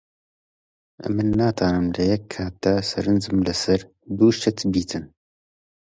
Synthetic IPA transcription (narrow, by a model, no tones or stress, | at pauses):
ʔɛ̰mːɨnːaːt̪ʰaːnɨmlɨjɛkʰːaːt̪̚d̪̥asɐɾɨnzɨmlɨsɐɾ | d̪uːʃt̪ʰɛt̪ʰbiːt̪ʰɨn